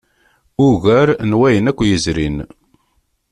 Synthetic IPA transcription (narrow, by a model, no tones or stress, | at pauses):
ʊɣæɾnwæjənækʷːjəzɾin